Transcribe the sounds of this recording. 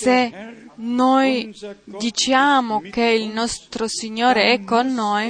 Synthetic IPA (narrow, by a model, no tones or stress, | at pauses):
senojd̪it͡ʃjaːmokeilnɔst̪ɾosiɲːoːɾeɛkːonːoj